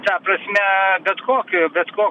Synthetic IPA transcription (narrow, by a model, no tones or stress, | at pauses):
t̪ɐpɾɐsʲmʲɛbʲɛt̪koːkʲɪbʲɛt̪koː